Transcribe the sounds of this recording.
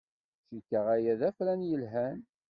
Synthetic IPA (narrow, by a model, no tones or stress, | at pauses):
ʃikːəʁæjæðæflænjəlɦæn